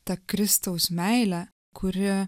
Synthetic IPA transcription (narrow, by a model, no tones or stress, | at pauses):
t̪ɐkɾʲɪst̪ɐʊsmʲæɪlʲæ | kʰʊɾʲɪ